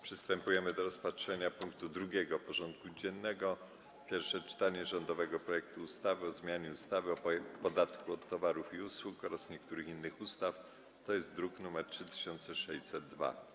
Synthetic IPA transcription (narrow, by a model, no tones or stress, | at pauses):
pʂɛst̪ɛmpujɛmɘd̪ɔɾɔspatʂɛɲapuŋkt̪ud̪ɾuɡʲɛɡɔpɔʐɔnt̪̚kud͡ʑɛnːɛɡɔ | pʲjɛɾfʂɛt͡ʂɘ̥t̪aɲɛʐɔnd̪ɔvɛɡɔpɾɔjɛk̚t̪uːst̪avɘɔzmʲjaɲɛust̪avɘɔpɔd̪at̪kuɔt̪ːɔvaɾufiuswukɔɾasɲɛkt̪uɾɘxinːɘxust̪af | t̪ɔjɛst̪d̪ɾuknumɛɾtʂɘt̪ɘ̥ɕɔnt̪sɛʂɛɕsɛd̪ːva̰